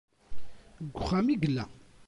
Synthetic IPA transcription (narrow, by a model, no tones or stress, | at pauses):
ɡʷːʊχːæmiɡəlːæ